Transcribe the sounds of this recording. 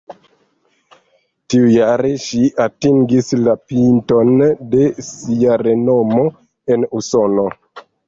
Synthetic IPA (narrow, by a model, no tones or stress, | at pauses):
tiujaɾe̞ʃiatiŋɡislapinto̞nde̞siaɾe̞no̞mo̞ | e̞nusono̞